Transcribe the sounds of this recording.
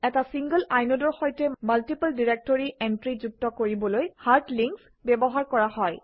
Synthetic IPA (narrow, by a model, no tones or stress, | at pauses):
ɛtasiŋɡəlajnɔdɔɹxojtɛmaltipəldiɹek̚tɔɹiʔɛntɹizuk̚tɔkoɹibɔlojhaɹtliŋks | bɛbɔɦaɹkɔɹaɦɔj